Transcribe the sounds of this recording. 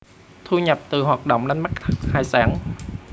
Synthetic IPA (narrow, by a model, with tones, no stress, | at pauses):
t̪ʰu˧ɲə˨˩p̚t̪ɨ˨˩ɦwaː˨˩t̚ɗo̰˧˨wŋ͡mna˧nma˦˥k̚t̪ʰk̚haː˨˩jsaː˨˩˦ŋ